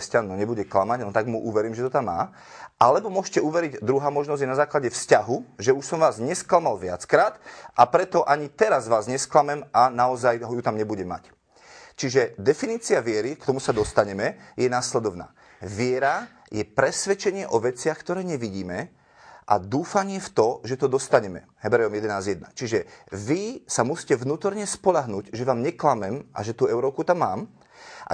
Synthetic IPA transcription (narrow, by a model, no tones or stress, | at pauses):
scanːɔɲɛbuɟɛklamaɟnɔt̪aɡmuʔuʋɛɾiːmʒɛt̪ɔt̪amːa̰ː | ʔalɛbɔmʊɔʒcɛuʋɛɾiɟd̪ɾuɦaːmɔʒnɔzɟjɛnazaːklaɟɛfscaɦuʒɛuʃsɔmʋaːzɲɛsklamalʋɪa̰t͡skɾaːt̪ʔapɾɛt̪ɔʔaɲit̪ɛɾazʋaːzɲɛsklamɛmanaɔzajɦɔjut̪amɲɛbuɟɛma̰c | t͡ʃiʒɛd̪ɛfiniːt͡siaʋɪɛɾikt̪ɔmusad̪ɔst̪aɲɛmɛjɛnaslɛd̪ɔʋna̰ː | ʋɪɛɾa | jɛpɾɛsʋɛt͡ʃɛɲɪɛʔɔʋɛt͡sɪaxkt̪ɔɾɛːɲɛʋiɟiːmɛ | ʔa̰d̪uːfaɲɪɛft̪ɔʒɛt̪ɔd̪ɔst̪aɲɛmɛ̰ | ɦɛbɾɛɔmjɛd̪ɛnaːzjɛd̪̚na̰t͡ʃiʒɛʋisamusi̥cɛʋnuːt̪ɔɾɲɛspɔʎaɦnuːɟʒɛʋaːmɲɛklamɛmʔa̰ʒɛt̪uːɛʊɾɔːkut̪amːaːm | ʔa̰